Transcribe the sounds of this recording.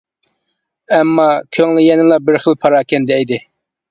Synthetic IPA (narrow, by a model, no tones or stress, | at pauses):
ɛmːɑkʲʰøŋlɪjɛnɪŋlˠɑbɪɾχəlˠpʰɑɾɑkʲʰɛnd̪ɛed̪ɪ